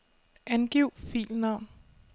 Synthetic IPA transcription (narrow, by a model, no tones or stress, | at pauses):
ʔænɡ̥iʊ̰fḭːlnɑ̈ʊ̰n